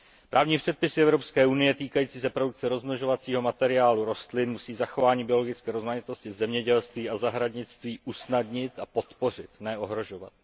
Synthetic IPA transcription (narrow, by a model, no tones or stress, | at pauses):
pɾʔaːvɲiːpr̥ɛt̪̚pɪsɪɛvɾopskɛːʔunɪjɛt̪iːkajiːt͡siːsɛpɾo̞duk̚t͡sɛɾo̞zmloʒo̞vat͡siːɦo̞mat̪ɛɾɪaːluɾo̞st̪lɪnmusiːzaxo̞vaːɲiːbɪo̞lo̞ɡɪt͡skɛːɾo̞zmaɲɪt̪o̞scɪzɛmɲɛɟɛlst̪viːʔazaɦɾadɲɪt͡st̪viːʔusnadɲɪt̪apo̞t̪po̞r̝ɪt̪nɛo̞ɦɾo̞ʒo̞va̰t̪